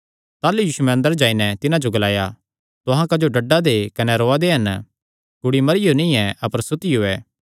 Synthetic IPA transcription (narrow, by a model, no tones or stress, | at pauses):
t̪aːlujiːʃumɛ̃ɐ̃nd̪əɾd͡ʒaːinɛt̪ɪnãd͡ʒoɡɐlaːja̰ | t̪ʊɦãkɐd͡ʒoɖɐɖːad̪ekɐnɛɾoːad̪eɦɐn | ɡʊɽimɐɾɪjonĩɛ̃ɐpəɾsʊt̪iɦoːɛː